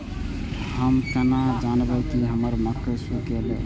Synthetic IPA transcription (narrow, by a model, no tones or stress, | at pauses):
həmkənad͡ʒanbɛkiɦəməɾməkəsukelḛ